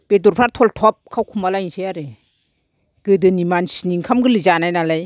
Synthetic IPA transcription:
b̥eduɾpʰaɾtʰɔltʰɔp̚kʰawkʰumalajnsʰejaɾe | ɡ̥ɯdɯnimansiniŋkʰamɡɯlɯzanajnalaj

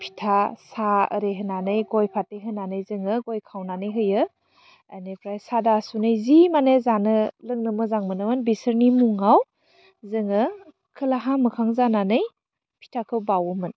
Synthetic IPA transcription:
pʰi̥tʰasaə̰ɾeɦɯnanɯjɡojpʰatejɦɯnanɯjzɯŋɯɡojkʰawnanɯjɦɯjɯ | anepɾajsadasunɯjzimanezanɯlɯŋnɯmɯzaŋmɯnɯwɯnbisɯɾnimuŋaw | zɯŋɯ | kʰɯlaɦamɯkʰaŋzananɯj | pʰi̥tʰakʰɯwbawumɯn

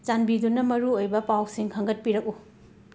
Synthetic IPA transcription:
t͡ʃanbidunɐmɐɾuojbɐpawsiŋkʰɐŋɡɐt̚piɾɐk̚u

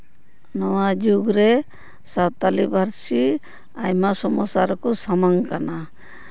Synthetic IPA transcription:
nɔwad͡ʒuɡɾɛ | sawt̪alibaɾsi | ajmasɔmɔsaɾɔkɔsamaŋkana

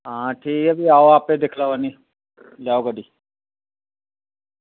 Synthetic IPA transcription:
ɦãːʈʰiːkəbiaːoaːpeːd̪ekʰlaaːniː | ljaːoːɡaɖiː

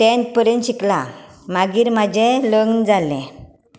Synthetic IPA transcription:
ʈent̚pəɾenɕiklamaɡiːɾmad͡ʑeləɡnd͡zalɛ̃

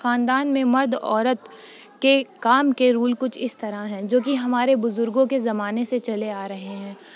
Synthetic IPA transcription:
xaːnd̪aːnmẽmɐɾd̪ɔːɾət̪ | kekaːmkeɾuːlkʊt͡ʃʰɪst̪ɐɾaɦɛ̃ːd͡ʒoːkiɦɐmaːɾebʊzʊɾɡõkezɐmaːneset͡ʃɐleaːɾɐɦeɦɛ̃ː

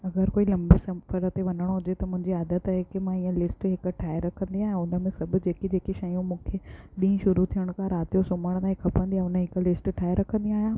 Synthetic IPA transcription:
ɐɡəɾkoːilɐ̃mbisɐfəɾət̪eʋɐnəɽ̃ɦʊd͡ʑet̪ɐmʊ̃ɦɪ̃ɲd͡ʑiaːd̪ət̪aɦekemãiːə̃lɪsʈɦɪkʈʰaːeɾɐkʰə̃nd̪iaːɦẽʊnəmẽsɐbʱʊd͡ʑeːkid͡ʑeːkeʃaːjũmũːkʰeɗĩĩʃʊɾut̪ʰijəɽ̃kʰãɾaːt̪ijosʊməɽ̃t̪aːikʰɐpə̃nd̪ijãʊnəɦɪklɪsʈʈʰaːiɾɐkʰə̃nd̪ĩaːɦjãː

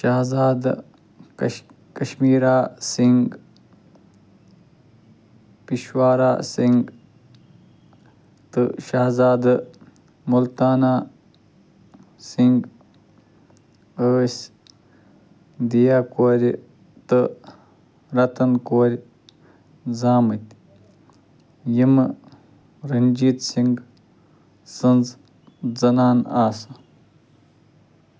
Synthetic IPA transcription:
ʃaːɦzaːd̪ | kɐʃmiːɾaːsiŋɡ | piʃwaːɾa̰ːsiŋɡ | t̪ɨʃaːzaːd̪ | mult̪aːnaː | siŋɡ | əːsʲ | d̪ijaːkoːɾʲi | t̪ɨ | ɾɐt̪ɐnkoːɾʲ | zaːmɨt̪ʲ | jim | ɾɐnʲd͡ʒiːt̪siŋɡ | sɨnz | zɐnaːnaːsɐ

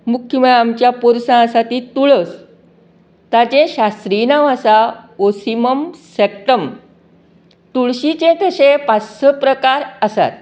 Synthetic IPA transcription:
mukʰːjəməɭamt͡ɕjapuɾsãəsat̪it̪uɭəs | t̪at͡ɕẽɕast̪ɾinaʋasaosiməmsek̚ʈəm | t̪uɭɕit͡ɕẽk̪ʰəɕepat͡ssəpɾəkaɾəsa̰t̪̚

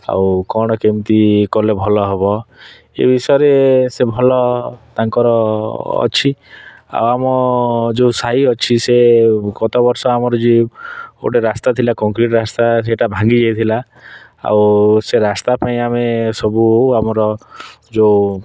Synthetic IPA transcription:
a̰wkɔɽ̃ɔkemt̪ikɔlebʱɔlɔɦebɔ | ḛbʱisɔjɔɾesebʱɔlɔt̪aŋkɔɾɔ̰ː | t͡ʃʰi | a̰wamɔd͡ʒesaɦiɔt͡ʃʰiseɡɔt̪ɔbɔɾsɔamɔɾɔd͡ʒeo̰ʈeɾast̪at̪ʰilakɔŋkɾiʈɾast̪aseʈabʱaŋɡid͡ʒajt̪ʰila | a̰wseɾast̪apaĩamesɔbuamɔɾɔ | d͡ʒe

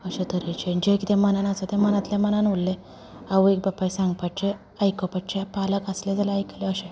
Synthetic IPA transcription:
əɕẽt̪əɾet͡ɕed͡ʑekit̪emənanat͡sət̪ɛ̃mənãt̪lemənanulːe | aʋəek̚bapːaisãŋɡ̚paʈ̚t͡ɕe | əjkɔpaʈ̚t͡ɕepaləkəsled͡zalaajkleəɕe

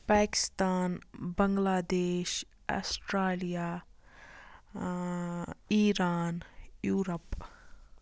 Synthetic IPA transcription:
paːkɪ̥st̪aːnbəŋɡlaːd̪eːʃ | a̰sʈɾaːlijaː | iːɾaːnjuːɾəp

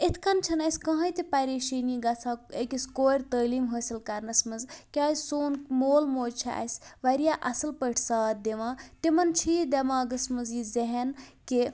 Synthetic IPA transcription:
et̪ʰkɐnt͡ʃʰɐnɐsʲkɐ̃ɦɐ̃jt̪ipɐɾeːʃiːniːɡɐt͡sʰãːekiskoːɾʲt̪əːliːmɦəːsilkɐɾnɐsmɐnzkʲaːzsoːnmoːlmoːd͡ʒt͡ʃʰia̰jsʋɐɾijaʔɐsɨlpəʈʰsaːt̪̚d̪eʋãːt̪imɐnt͡ʃʰiːd̪ɐmãːɡɐsmɐzizeɦenke

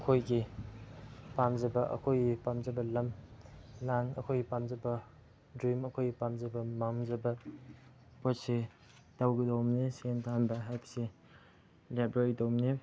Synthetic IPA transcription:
əkʰojɡi | pamzɐbɐʔɐ̰kʰojɡipamzɐbɐlɐm | lanɐ̰kʰojɡipamzɐbɐ | dɾimɐkʰojɡipamzɐbɐmaŋzɐbɐ | pot̚se | tawɡidowmnesentʰanbɐɦajpɐ̥se | labɾeɾidowmne

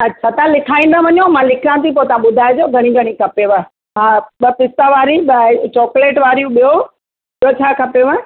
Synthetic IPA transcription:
ɐtːɕʰat̪ɐãlɪkʰaːĩːn̆d̪aʋɐɲjomãlɪkʰãːnt̪ipot̪ɐãɓʊd̪ʱaːed͡ʑoɡʱɐɽ̃iɡʱɐɽ̃ikʰɐpeʋə | ɦãɓɐpɪst̪aʋaːɾiɓət͡ɕɔːkleːʈʋaːɾijũɓijo | ɓijot͡ɕʰaːkʰɐpeʋə

